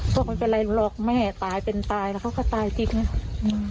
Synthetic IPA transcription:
pʰu˥˩˨k̚ma˧˥pe˧nla˧jlɔː˧˩k̚mɛː˥˩t̪aː˧jpe˧nt̪aː˧jlɛː˧˩kʰa˧˥˩kʰɔː˧˥˩t̪aː˧jt̪ʰi˧˥k̚na˧˩˧

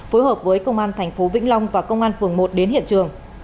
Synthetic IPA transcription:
fo˨˦jɦəː˨˩p̚vəː˨˦jkə˧wŋ͡mʔaː˧nt̪ʰɛ˨˩ŋ̟fo˨˦vḭ˧˥ŋ̟la˧wŋ͡mvaː˨˩kə˧wŋ͡mʔaː˧nfɨ˨˩əŋmo˨˩t̚ɗe˨˦nhḭ˧˨nt͡ɕɨ˨˩əŋ

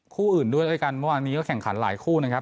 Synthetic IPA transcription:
kʰuː˥˩ʔɯː˨˩ndu˥˩əjləː˧˩jka˧nmə˥˩waː˧nːiː˦˥kɔ˥˩kʰɛ˨˩ŋkʰa˩˦nla̰ː˩˦jkʰuː˥˩na˦˥kʰa˦˥p̚

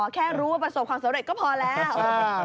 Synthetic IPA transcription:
kʰɛː˥˩ɾuː˦˥wa˥˩pɾa˧so˨˩p̚kʰwaː˧msa˨˦mɾe˨˩t̚kɔː˥˩pʰɔː˧lɛː˦˥w

